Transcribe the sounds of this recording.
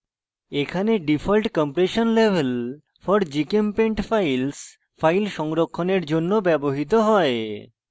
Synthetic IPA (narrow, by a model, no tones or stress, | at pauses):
ekʰaneɖifʰɔlʈkɔmpɾeʃonlebʱel | fɔɾd͡ʑikempeɳʈfajls | fajlʃɔŋɾokʰːoneɾd͡ʑonːobɛboɦit̪oɦɔe